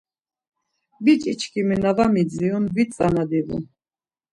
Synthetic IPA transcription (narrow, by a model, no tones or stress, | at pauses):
bit͡ʃʼit͡ʃʰkimɛnavamid͡ziunbit͡sʼanad̪ivṵ